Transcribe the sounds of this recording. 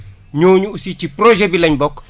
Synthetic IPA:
ɲoːɲuusit͡ʃipɾoʒɛbilɐɲbɔk

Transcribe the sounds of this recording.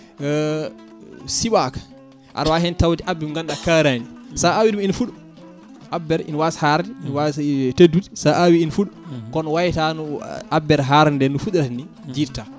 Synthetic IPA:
siɓakḁ | ʔa̰ɾwaɦɛntawtiʔabːimŋɡandakaɾanisaawiduminfuɗu | ʔabːɛɾḭnwasḁhaɾdɛinwasteduti̥saʔawiːnfuɗukɔnɔwajtanuʔabːɛɾɦaɾndɛnufuɗɛɾatni | diːɾta

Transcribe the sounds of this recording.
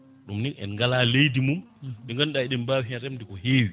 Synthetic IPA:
ɗumninɛ̰nŋɡalalejdimum | ɗɛŋɡanɗaiɗɛmbawɦɛɾɛmdikɔheːwi

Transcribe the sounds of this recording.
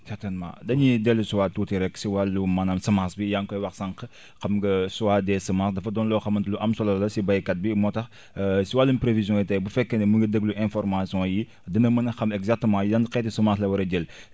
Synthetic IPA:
sɛɾtɛnmã̰dɐɲidɛlːusuwaːtːuːtiɾɛkːsiwalːumɐnɐmsɐmaːsbijaŋkɔjwɐxsɐŋqə | xɐmɡɐsuwaːdɛːsɐmasdɐfɐdɔnlɔːxɐmɐntluʔɐmsɔlɐlɐsibɐjkɐt̚bimɔtɐx | siwalːunpɾevizjɔ̃ːjitɐjbufɛkːɐnɛmuɡɐdəɡluʔɛ̃nfɔɾmasijɔ̃ji | dɐnɐmɐnɐxɐmɛɡzak̚təmãːjiɐnqɛːtisumaːslɐwɐɾɐɟɛl

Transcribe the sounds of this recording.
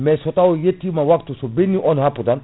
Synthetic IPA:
mɛsɔt̪awɔjet̪ːimawakt̪usɔbinːiʔɔnɦapːud̪an

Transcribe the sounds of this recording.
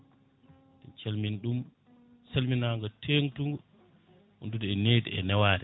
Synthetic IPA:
dɛnt͡ʃelminɗum | salminaːŋɡɔtʰeːŋtuŋɡɔ | hṵndudɛɛneːdḭɛnɛwaːɾɛ

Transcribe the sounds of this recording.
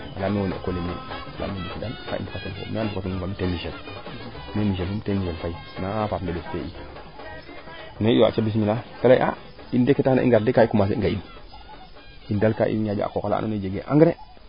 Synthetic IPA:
a̰lamewonḛkolemḭala̰mebisidalka̰ʔḭnbikatonko̰meanfukat̬unuɡabitemiʃel | nemiʃ̬elumtemiʃelfai | naapaːpndebestei | neijoa̰t͡ʃabis̬milakalajʔa | indekːetana̰ʔḭŋɡaɾdekaikumas̬eiɡain | indalkaʔḭɲad͡ʒo̰a̰kokala̰noned͡ʒeɡeʔa̰ŋɡɾe

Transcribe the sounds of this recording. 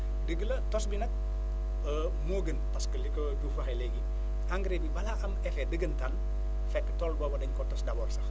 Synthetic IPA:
dəɡəlɐtɔsbinɐk̚ | ə | moɡənpɐskəlikod͡ʒufɐxɐjleɡi | ʔaŋɡɾebibɐlaʔɐmɛfɛdəɡəntɐn | fɛkːətɔlbɔːbɐdɐɲkɔtɔsdabɔrsɐx

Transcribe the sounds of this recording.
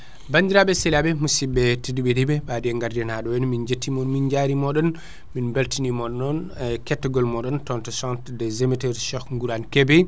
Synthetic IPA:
bandiɾabɛsilabɛmusibɛtidiɓɛdibɛɓadiɛŋɡaɾdɛnaɗɔwɛnmind͡ʒetːimɔnmind͡ʒaɾimɔɗɔn | minbaltinimɔɗnɔnkɛtːɛɡɔlmɔɗɔntɔntɛsɔ̃ntdɛzɛmɛtɛɾʃɔkŋɡuɾankɛbɛ

